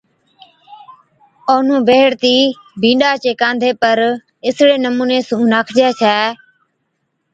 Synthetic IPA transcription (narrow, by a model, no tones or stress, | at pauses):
oːnũːbeːɽt̪iː | bʱĩːɗaːt͡ʃeːkãːnd̪ʱeːpəɾ | ɪsɽeːnəmuːneːsũːnaːkʰd͡ʒɛːt͡ʃʰɛː